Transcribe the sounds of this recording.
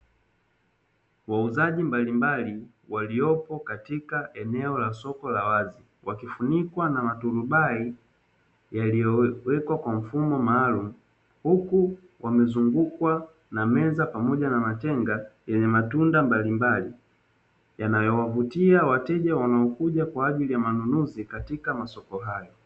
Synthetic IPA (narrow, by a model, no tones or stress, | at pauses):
wauzaʄimbalimbali | waliɔpɔkatikaʔɛnɛɔlasɔkɔlawazi | wakifunikwanamatuɾubai | jalijɔwɛkwakwaɱ̩fumɔmaːlum̩ | huku | wʔamɛzuŋɡukwa | namɛzapamɔʄanamatɛŋɡajɛɲɛmatundambalimbali | janajɔwavutiawatɛʄawanaɔkuɟakwaːʄilijamanunuzikatikamasɔkɔɦajɔ